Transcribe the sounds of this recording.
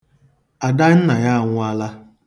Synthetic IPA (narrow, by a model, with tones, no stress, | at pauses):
a˨da˦n̩˦na˨ja˦a˨ŋʷʊ˦a˦la˦